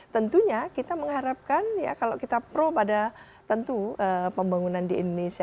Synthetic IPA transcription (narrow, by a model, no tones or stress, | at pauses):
t̪ənt̪uɲakit̪aməŋɦaɾap̚kanja̰kalowkit̪apɾobada | t̪ənt̪uəpəmbaŋunandiḭndonesia